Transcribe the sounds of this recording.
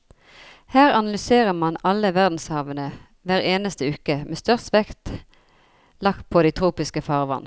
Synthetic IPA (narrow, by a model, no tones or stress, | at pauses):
hæːʁɑnɑlʏseːʁəmɑnɑlːəʋæʁd̪n̩shɑːʋənə | ʋæːʁeːnəst̪əʉːkəmʔeːst̪œʁst̪ʋɛkt̪ | lɑkt̪̚pʰod̪iɪt̪ʰʁuːpɪskəfɑːʁʋɑ̰n